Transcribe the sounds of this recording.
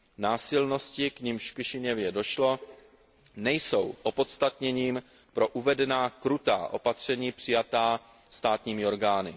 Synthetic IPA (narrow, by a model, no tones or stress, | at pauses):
naːsɪlno̞scɪkɲɪmʃfkɪʃɪɲɛvjɛdo̞ʃlo̞ | nɛjso̞wʔo̞po̞t̪st̪at̪ɲɛɲiːm | pɾo̞ʔuvɛdɛnaːkɾut̪a̰ːʔo̞pat̪r̝̥ɛɲiːpr̥ɪjat̪aː | st̪aːt̪ɲiːmɪo̞ɾɡaːnɪ̰